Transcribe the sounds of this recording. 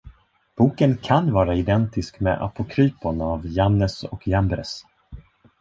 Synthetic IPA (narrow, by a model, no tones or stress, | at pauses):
b̥uːkənkʰanvɑːɾaɪd̪ɛnt̪ɪskmɛ̰ʔa̰pʊkʰɾyːpʊnavjanːəsɔ̰kʰjambɾɛ̰s